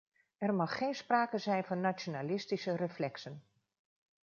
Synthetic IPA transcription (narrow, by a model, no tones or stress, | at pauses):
ɛrmɑxːeːnspraːkəzɛjnvɔnːat͡sjonalɪstisərəflɛksən